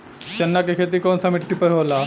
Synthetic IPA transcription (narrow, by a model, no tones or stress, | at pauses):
t͡ʃɐnːakekʰeːt̪̬ikoːnsamɪʈːipəɾɦoːlaː